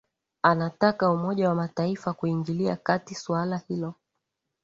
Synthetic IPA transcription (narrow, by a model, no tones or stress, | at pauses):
anatakaumɔʄawamataifakuiŋɡiliakatiswalahilɔ